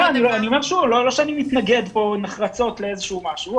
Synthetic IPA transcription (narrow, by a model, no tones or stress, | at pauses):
aaniloanio̞me̞ʁʃulolo̞ʃeanimit̪naɡe̞d̪po̞neχʁat͡so̞tleezeʃumaʃu